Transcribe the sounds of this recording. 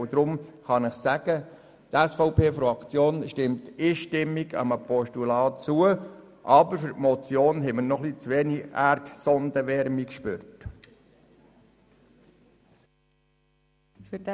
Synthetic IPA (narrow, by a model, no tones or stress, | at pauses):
d̥̪ɾʊmχɑnɪχsæɡ̥ə | t̪æsfɔʊpʰeːfɾɑkt͡sjoːnʃtɪmtɪːʃtɪmːiɡɑ̰məpɔʃtulɑːt͡suə | ʔɑbəɾfyɾtmɔt͡sjoːnɦɛmənɔχlit͡sʋeːniʔæɾtsɔnd̥̪əʋɛɾmikʃpøːɾt | f